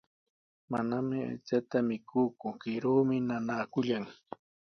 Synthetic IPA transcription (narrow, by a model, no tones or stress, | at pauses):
manamɪa̰jt͡sat̪amɪkʰʊːkʊkɪɾuːmɪnanaːkʊʎaŋ